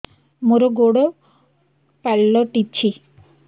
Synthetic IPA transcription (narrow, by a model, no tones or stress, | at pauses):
moɾoɡoɽo | pɛɭlɔʈit͡ɕʰi